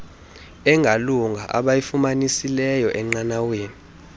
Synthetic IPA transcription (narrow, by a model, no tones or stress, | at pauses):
ɛŋʱaluŋɡʱaʔa̰ɓajifumanisilɛjɔʔɛŋ͡ǀanaweːni